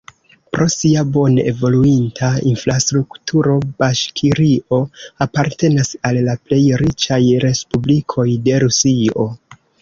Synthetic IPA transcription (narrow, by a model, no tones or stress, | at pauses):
pɾo̞siabo̞ne̞̰vo̞luintʰainfɾastɾuktʰuɾo̞baʃkʰiɾiʔo̞apaɾte̞nasalːaple̞jɾit͡ʃajɾe̞spublikʰo̞jde̞ɾusio̞